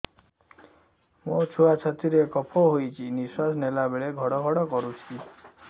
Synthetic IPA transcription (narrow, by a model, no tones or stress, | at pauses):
mot͡ʃʰuat͡ʃʰat̪iɾekɔpʰɔɦojt͡ʃʰiniswasnelabeɭeɡʱɔɽɔɡʱɔɽɔkɔɾut͡ʃʰi